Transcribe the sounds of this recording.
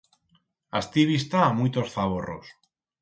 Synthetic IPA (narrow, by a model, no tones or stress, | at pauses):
a̰st̪iβist̪aːmujt̪osθaβoro̰s